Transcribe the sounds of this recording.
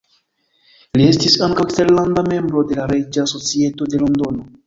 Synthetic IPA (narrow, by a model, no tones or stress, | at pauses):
lie̞stisaŋkawksteɾlandame̞mbɾo̞de̞laɾe̞d͡ʒaːso̞t͡sie̞to̞de̞lo̞ndo̞no̞